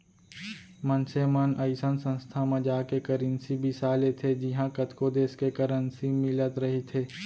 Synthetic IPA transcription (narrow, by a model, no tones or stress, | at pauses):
mənsemənəɪsənsə̃nst̪ʰamẽd͡ʒaːkekəɾinsibʱɪsaːlet̪ʰed͡ʒɪɦãkət̪kod̪eːskekəɾənsimɪlət̪ɾɐɦit̪ʰeː